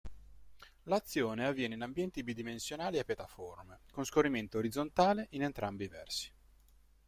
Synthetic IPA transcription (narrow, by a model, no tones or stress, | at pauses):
lat̪sːjoːneavːjɛːneinambjɛnt̪ibid̪imensjonaːliapːjat̪aformekonskorːiment̪oːɾid̪zːont̪aːleʔinent̪ɾʔambivɛ̰rsi̥